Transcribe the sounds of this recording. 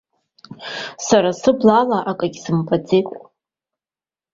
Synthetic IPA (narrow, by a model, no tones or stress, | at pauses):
saɾasɨblalaʔakʼaɡʲsɨmpʰʼad͡zejkʷʼ